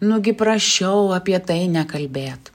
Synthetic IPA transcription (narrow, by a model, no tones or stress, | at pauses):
nʊɡʲɪpɾɐʃʲt͡ʃʲɛʊɐpʲiɛt̪ɐɪnʲɛkɐlʲbʲeːt̪